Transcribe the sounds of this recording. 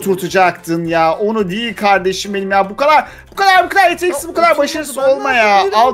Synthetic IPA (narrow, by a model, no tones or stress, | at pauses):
t̪ʰuɾt̪ʰud͡ʒakt̪ʰɯnjaːʔo̞nud̪ijilʲkʰaɾd̪e̞ʃimbe̞nimjaːbukad̪aɾ | bukad̪aɾbukʰad̪aɾjet̪ʰeɛcʲsinbukʰad̪aɾbaʃaɾɯszo̞lˠmajaalˠ